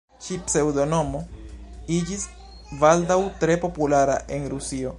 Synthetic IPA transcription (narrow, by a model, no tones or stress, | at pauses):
t͡ʃipse̞wdo̞no̞mo̞id͡ʒis | valdawtɾe̞po̞pulaɾa̰ʔe̞nɾusio̞